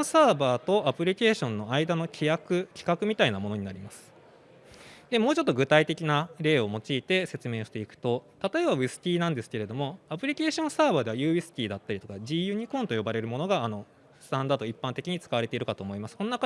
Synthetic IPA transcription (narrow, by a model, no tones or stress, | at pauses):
saːbaːt̪o̞ʔapɯ̟ɾʲike̞ːɕõ̞nːo̞aid̪ano̞kʲiakɯ̟kʲi̥kakɯ̟mʲit̪ainamo̞no̞ɲ̟inaɾʲimasɨ̥ | d̪e̞mo̞ːt͡ɕo̞t̪ːo̞ɡɯ̟t̪ait̪e̞kʲinaɾe̞ːo̞mo̞t͡ɕiːt̪e̞se̞t͡sɨme̞ːɕi̥t̪e̞ikɯ̟̥t̪o̞t̪at̪o̞e̞baisɨ̥t̪ʲiːnãnd̪e̞sɨ̥ke̞ɾe̞d̪o̞mo̞apɯ̟ɾʲike̞ːɕõ̞ɰ̃saːbaːd̪e̞βajɯ̟ːisɨ̥t̪ʲiːd̪at̪ːaɾʲit̪o̞kaʑiːjɯ̟ːɲ̟ikõ̞nt̪o̞jo̞baɾe̞ɾɯ̟mo̞no̞ɡaːno̞ | sɨ̥t̪ãnd̪aːd̪o̞ipːãnt̪e̞kʲiɲ̟it͡sɨ̥kaβaɾe̞t̪e̞iɾɯkat̪o̞ːmo̞imasɨ̥ko̞nonaka